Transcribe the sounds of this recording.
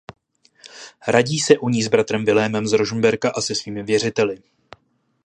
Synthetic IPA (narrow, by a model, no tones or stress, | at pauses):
ɾaɟiːsɛʔuɲiːzbɾat̪ɾɛmvɪlɛːmɛmzɾoʒumbɛɾkaʔasɛsviːmɪvjɛr̝ɪt̪ɛlɪ